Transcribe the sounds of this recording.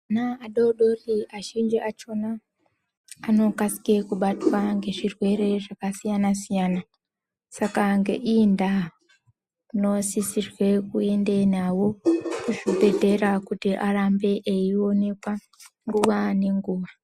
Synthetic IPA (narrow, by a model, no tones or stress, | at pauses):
anaaɗoɗo̞riaʒind͡ʒiʔat͡ʃo̞naː | no̞kasi̥kekuɓatwaŋɡe̞ʐirwe̞ɾe̞ʐakasijanasijaːna | sakaŋɡḛʔinda | uno̞sisirwe̞kue̞nde̞nawo̞kuʐibe̞dʱe̞ɾakutiʔaɾambe̞ʔeio̞ne̞kwa | ŋɡuʋane̞ŋɡuːʋa